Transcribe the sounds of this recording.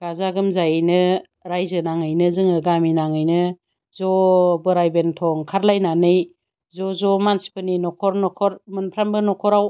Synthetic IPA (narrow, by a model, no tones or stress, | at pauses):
ɡ̥azaɡɯmzajajnɯ | ɾajzɯnaŋɯjnɯzɯŋɯɡaminaŋɯjnɯ | zɔbɯɾajbentʰɔŋkʰaɾlajnanɯj | zɔzɔmansi̥pʰɯninɔkʰɔɾnɔkʰɔɾmɯnpʰɾambɯnɔkʰɔɾaw